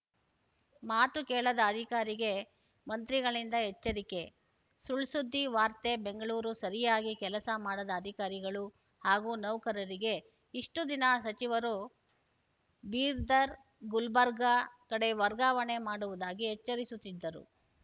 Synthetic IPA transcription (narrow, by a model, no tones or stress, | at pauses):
maːt̪ukɛːɭɐd̪ɐːd̪ʱikaːɾiɡe̞ | mɐnt̪ɾiɡɐɭind̪ɐɦet͡ʃːɐɾike̞ | suɭsud̪ːiʋaːɾt̪e̞be̞ŋɡɐɭuːɾusɐɾijaːɡikɛlɐsɐmaːɽɐd̪ɐːd̪ʱikaːɾiɡɐɭu | haːɡuːnɐwkɐɾɐɾiɡe̞ | iʂʈud̪inasɐt͡ʃiʋɐɾu | biːɾd̪ɐɾ | ɡulbɐɾɡɐkɐɽe̞ʋɐɾɡaːʋɐɳe̞maːɽuʋud̪aːɡiɦɛt͡ʃːɐɾisut̪ːid̪ːɐɾṵ